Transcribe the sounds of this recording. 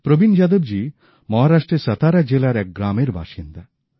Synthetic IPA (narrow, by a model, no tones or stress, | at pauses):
pɾobind͡ʑad̪obd͡ʑi | mɔɦaɾaʃʈɾeɾsət̪ʰaɾad͡ʑelaɾɛk̚ɡɾameɾbʱa̰ʃind̪a